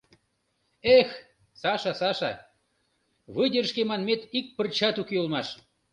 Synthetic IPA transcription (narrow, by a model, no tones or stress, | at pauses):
ex | sɑʃɑsɑʃɑ | βɯdʲərʃkemɑnmet̪ik̚pərt͡ɕɑt̪ukeulmɑʃ